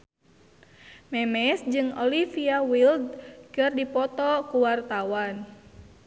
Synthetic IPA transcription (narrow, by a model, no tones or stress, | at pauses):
mɛmɛsd͡ʒɨŋɔlifiawild̪̚kɨrdipɔt̪ɔkuwart̪awan